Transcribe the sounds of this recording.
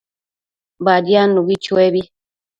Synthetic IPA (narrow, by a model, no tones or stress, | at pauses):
badjanuɡit͡ʃwebi